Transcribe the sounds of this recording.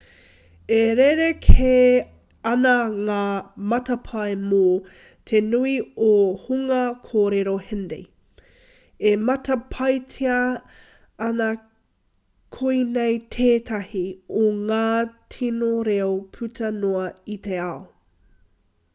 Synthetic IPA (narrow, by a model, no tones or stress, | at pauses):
eɾeɾekʰe | ɐnɐŋaːmɐtɐpʰɐemo | tʰenuiohuŋɐkʰoːɾeɾohendḛj | emɐtɐpʰɐjtʰeɐ | ɐnɐ | kʰoinejtʰeːtʰɐhioŋaːtʰinoɾeopʰʉtʰɐnoɐiteɐo